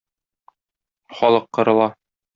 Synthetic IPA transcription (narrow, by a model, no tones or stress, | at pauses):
χɒlˠɤqːɤ̆ɾɤ̆lˠɑ